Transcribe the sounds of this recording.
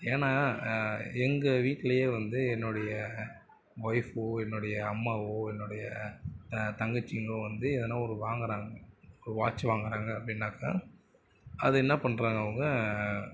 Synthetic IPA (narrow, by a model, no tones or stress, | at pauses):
eːnaː | ɛŋɡɐʋiːʈːɪlɐjeːʋɐnd̪ɯɛnːʊɽɐjɐ | ʋɐɪfɯɛnːʊɽɐjɐːmːaːʋoːɛnːʊɽɐjɐ | t̪ɐŋɡɐt͡ʃːɪŋɡɐɭõʋɐnd̪ɯɪðɛnːaːɔɾɯʋaːŋɡɐɾaːŋɡɐɔɾɯʋaːt͡ʃːɯʋaːŋɡɐɾaːŋɡɐːpːɽɪnːaːkːa̰ː | ɐðɯɛnːɐpɐɳːɾaːŋɡɐːʋɐŋɡɐ